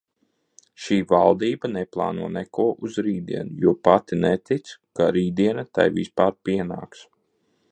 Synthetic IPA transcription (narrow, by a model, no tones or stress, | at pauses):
ʃiːvalˠd̪iːbɐnɛplˠɑ̰ːnuɔnɛkuɔʔuzɾiːd̪ḭɛnujuɔpat̪inɛt̪it̪skaɾiːd̪iɛnat̪a̰jvispaːɾpiɛna̰ːks